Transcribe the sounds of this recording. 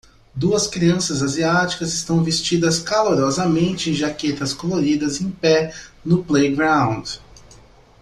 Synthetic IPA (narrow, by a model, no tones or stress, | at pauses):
d̪uɐskɾiɐ̃sɐzaziat͡ʃi̥kɐzɪst̪ɐ̃w̃vest͡ʃid̪ɐskaloɾɔzɐmẽnt͡ʃɪẽj̃ʒaket̪ɐskoloɾid̪ɐzẽj̃pɛnʊplejɡɾãw̃d͡ʒ